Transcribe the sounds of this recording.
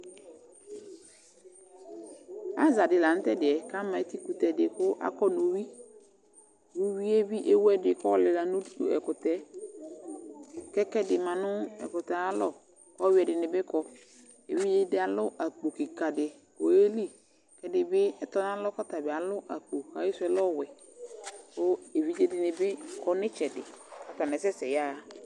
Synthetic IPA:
a˦za˨dɪ˨la˨n̩˦tɛ˦dɪ˨ɛ˨ka˦mã˨˦ti˦ku˨tɛ˨dɪ˨kʊ˦ʔa̰˦kɔ˦no˨wi˦ | wu˦wi˦e˦bi˦ʔe˦wɛ˦dɪ˨kɔ˦lɪ˨la˨nʊ̃˦du˦tṵ˦ɛ̰˨kʊ˨tɛ˦ | kɛ˦kɛ˦dɪ˨mã˨nʊ̃˦ɛ̰˨kʊ˨ta˨a˦lɔ˦ | kɔ˦wɛ˨dɪ˨nɪ˨bɪ˦kɔ˦ | ḛ˨vi˦d͡ʒe˦dɪ˦a˨lʊ˦ʔa˨k͡po˨kɪ˨ka˨dɪ˨ | ko˨e˦li˦˨ | kɛ˨˦dɪ˨bɪ˦ɛ˨tɔ˦n˦a˦lɔ˦kɔ˦ta˨bɪ˨a˨lʊ˦ʔa˨k͡po˨ka˨˦ɪ˦sʊ˦ɛ˨lɔ˦˨wɛ˨ | kʊ˦e˨vi˦d͡ʒe˦dɪ˨nɪ˨bɪ˦kɔ˦nɪ˦t͡ʃɛ˨dɪ˨ka˨tɔ˨nɛ˨sɛ˦sɛ˨jaː˦˨

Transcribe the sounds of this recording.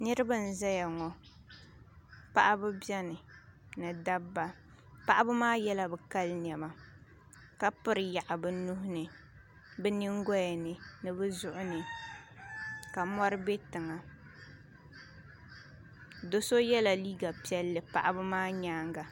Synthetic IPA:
nɨ˦ɾɨ˦bɨ˦˨n̩˨za˦ja˨ŋɔ˨ | pa˦ʔa˦bɨ˦bjɛ˦nɨ˨ | nɨ˨da˦bːa˦ | pa˦ʔa˦bɨ˦maː˦jɛ˦la˦bɨ˨ka˦lɲɛ˨ma˨ | ka˦pɨ˦ɾɨ˨ja˨ʔa˨bɨ˦nʊ˦ɦʊ˦nɨ˨ | bɛ˦nɨ˦ŋɡɔ˦ja˨nɨ˨nɨ˨bɨ˦zʊ˨ʔʊ˦nɨ˨ | ka˨mɔ˦ɾɨ˦be˦tɨ˨ŋa˨ | do˦so˦jɛ˦la˨liː˦ɡa˨pi˦ɛ˦lːɨ˨pa̰˨ʔa˦bɨ˦maː˦ɲaː˦ŋɡa˨

